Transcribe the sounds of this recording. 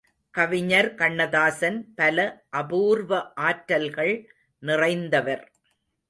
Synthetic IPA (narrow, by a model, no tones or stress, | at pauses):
kɐʋɪɲɐɾkɐɳːɐðaːsɐnpɐlɐʔɐbuːɾʋɐʔaːʈɾɐlɣɐɭ | nɪrɐɪnd̪ɐʋɐɾ